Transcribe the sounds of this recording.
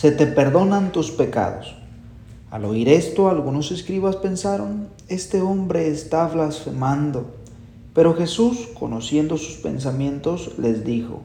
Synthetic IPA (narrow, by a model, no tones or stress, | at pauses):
se̞t̪e̞pe̞ɾðo̞nant̪uspe̞ka̰ðo̞̰s | a̰lo̞̰iɾe̞st̪o̞alɣuno̞se̞skɾiβaspe̞nsaɾo̞n | e̞st̪e̞o̞mbɾe̞ːst̪aβlasfe̞mand̪o̞ | pe̞ɾo̞xe̞susko̞̰no̞sje̞nd̪o̞su̥spe̞̰nsamje̞nt̪o̞sle̞zd̪ixo̞̰